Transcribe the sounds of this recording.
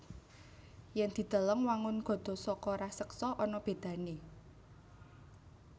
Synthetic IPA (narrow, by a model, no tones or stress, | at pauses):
jɛnd̪̥i̤d̪̥ə̤ləŋwaŋʊnɡ̥ɔ̤d̪̥ɔ̤sɔkɔɾahsəksɔʔɔnɔb̥e̤d̪̥ä̤ne